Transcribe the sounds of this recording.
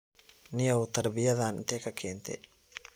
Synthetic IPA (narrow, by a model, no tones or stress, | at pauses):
nɪjɐwt̪ʰɐɾbɪjɐðaːnɪ̰nt̪ʰɛkʰɐkʰɛːnt̪ʰɛ̰